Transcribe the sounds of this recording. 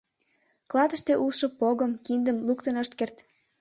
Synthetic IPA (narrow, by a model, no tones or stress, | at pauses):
klɑt̪ə̆ʃt̪eʔulʃɤ̆poɣəmkind̪əmlukt̪ənəʃt̪kert̪